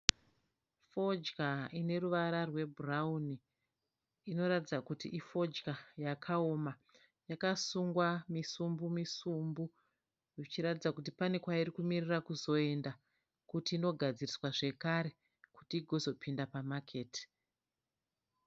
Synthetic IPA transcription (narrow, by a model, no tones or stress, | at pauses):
fo̞d͡ʒkaine̞ɾuʋaɾarwe̞burauniː | no̞ɾatid͡zakutiʔifo̞d͡ʒkajakʰao̞ma | jakasuŋɡwamisumbumisumbu | ʐit͡ʃiɾatid͡zakutipane̞kwairikumirirakuzo̞e̞nda | kutiːno̞ɡʱad͡ziriswaʐe̞kaɾe̞ | ku̥tiːɡʱo̞zo̞pʰindapamakʰeːti̥